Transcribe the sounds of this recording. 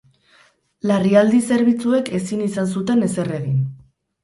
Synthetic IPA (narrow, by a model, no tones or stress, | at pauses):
lariald̪ise̞ɾβ̞it͡sue̞ke̞sinisans̬ut̪e̞ne̞se̞reɣin